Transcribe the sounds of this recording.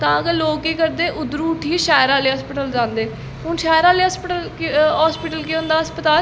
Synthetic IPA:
t̪ãːəɡəɾloːkeːkəɾd̪eːʔʊd̪ɾuːʈʰiːʃaːjɾãːleːəspɪʈəld͡ʒãːnd̪eː | ɦʊnʃaːɾãːleːəspəʈəlɦaːspɪʈəlkeõʊ̃ːnd̪aːəspət̪aːl

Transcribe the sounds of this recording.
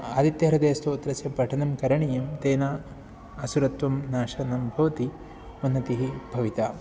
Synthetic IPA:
ad̪it̪jɐɐɾɐd̪eːst̪oːt̪ɾɐt͡ʃɐbɐʈʰɐnɐmkɐɾɐɳijɐmt̪eːnaː | ɐsuɾɐt̪ʋɐmnaːʃɐnɐmbʱɐʋɐt̪i | unːɐt̪iɦibʱɐʋit̪aː

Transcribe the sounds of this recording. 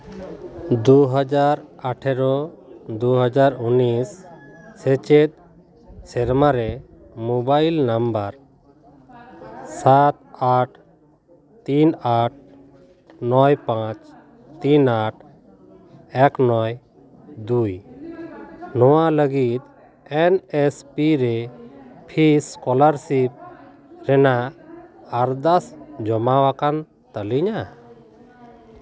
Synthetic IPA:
d̪uɦəd͡ʒaɾaʈʰɛɾɔd̪uɦəd͡ʒaɾunisː | ɛt͡ʃet̪̚ | sɛɾmaɾɛ | mubajlnambəɾ | sat̪̚aʈʰ | t̪inaʈ̚ʰ | nɔjpãt͡ʃ | t̪inaʈ̚ʰ | ɛknɔj | d̪uj | nɔwaləɡit̪ | ɛnɛspiɾɛpʰiskɔlaɾsip̚ | ɾɛnaː | ɾd̪asd͡ʒɔmawakan | t̪əliɲa

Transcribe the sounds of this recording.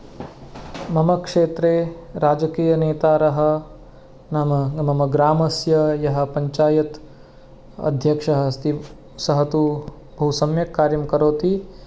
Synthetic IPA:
mɐmɐkʂeːt̪ɾeːɾaːd͡ʒɐkiːjɐneːt̪aːɾɐɦɐ̆ | nɐmɐɐmɐmɐɡɾaːmɐsjɐjɐɦɐ̆pɐɲt͡ʃaːjɐt̪ | ɐ̰d̪ʱjɐkʂɐɦɐst̪i | sɐɦɐt̪u | bʱɐusɐmjɐkːaːɾjɐmkɐɾoːt̪i

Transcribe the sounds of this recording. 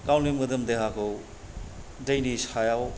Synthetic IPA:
kawnimɯdɯmdeɦakʰow | dɐjnisajaw

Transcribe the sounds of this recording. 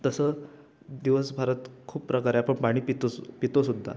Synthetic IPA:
t̪əsə | d̪iʋəsbʱaɾət̪kʰuːpːɾəkaɾjapəɳpaɽ̃iːpit̪opit̪osud̪ʱːa̰

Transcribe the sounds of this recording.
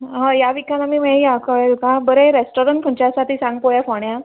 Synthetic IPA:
ɦãjaʋikanamiːmeakəɭelkãbəɾẽɾesʈoɾəɳʈ̚kʰuɳt͡ɕasat̪iːsãŋɡpojafoɳja

